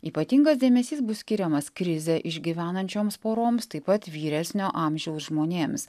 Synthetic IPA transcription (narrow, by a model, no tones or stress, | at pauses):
iːpɐt̪ʲiŋɡɐs̬d̪ʲeːmʲɛsʲiːsbʊssʲkʲɪɾʲɛmɐskɾʲɪzʲɛʔɪʒʲɡʲiʋʲæːnɐnʲt͡ʃʲoːmspoːɾoːmst̪ɐɪpɐt̪ʋʲiːɾʲɛsʲnʲoːʔɑːmʲʒʲɛʊsʒmoːnʲeːms